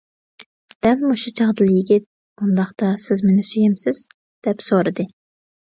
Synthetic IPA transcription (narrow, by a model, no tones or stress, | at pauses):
d̪̥ɛlmuʃut͡ʃʰɑʁd̪ɨlˠjɪɡʲɪt̪̚ | und̪ɑχt̪ɑsɪzmenɪsyjɛmsɪz̥ | d̪̥ɛpsoɾɨd̪ɨ